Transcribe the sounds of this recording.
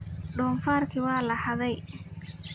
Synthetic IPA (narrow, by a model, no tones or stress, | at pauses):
ɖɔːnfaːrkʰɪwɑːlɐhɐðɛj